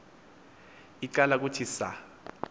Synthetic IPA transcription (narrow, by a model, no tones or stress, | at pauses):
ikalak̬ʼutʰisa̰